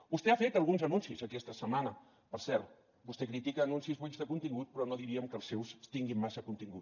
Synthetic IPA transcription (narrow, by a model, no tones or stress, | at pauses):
bust̪eafet̪əlˠɣunzənunsizəkɛst̪əsəmanə | pəɾsɛɾt̪ | bust̪ekɾit̪ikəːnunsizβuʎzðəkunt̪iŋɡut̪̚pɾɔnoðiɾiəmkəːlˠsːewst̪iŋɡimmasəkunt̪iŋɡut̪̚